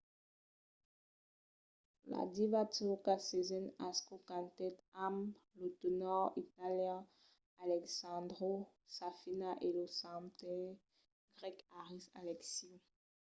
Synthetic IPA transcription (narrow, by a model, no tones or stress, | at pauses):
la̰divatukasezɛnaskokãnt̪ɛt̪amlot̪onɔʁit̪aljɛ̃ | alɛksãd̪ʁo | safinaʔelosãmt̪ɛ̃ | ɡʁɛkaʁisalɛksi